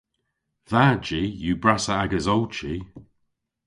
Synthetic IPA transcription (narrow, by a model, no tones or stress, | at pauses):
ðaːd͡ʒijuːbɹasəaɡəzɔlt͡ʃi